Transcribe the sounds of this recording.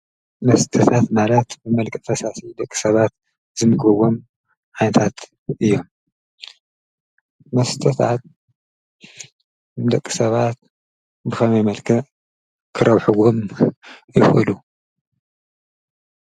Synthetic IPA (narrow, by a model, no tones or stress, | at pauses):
mɐst̪ʰɐt̪ʰat̪malɐt̪bɨmɐlkʼɐfɐsasid̪ɐkʼːi̥sɐβat̪̚ | zɨmɨkʼbɐɡo̞m | ʕajnɐt̪ʰat̪ | ʔɨjːo̞m | mɐst̪ʰɐt̪ʰat̪̚ | d̪ɐkʼːi̥sɐβat̪ | bɨxɐmɐjmɐlkʰɐ | kʰɨɾɐβħuɡom | jɪxʼɨlu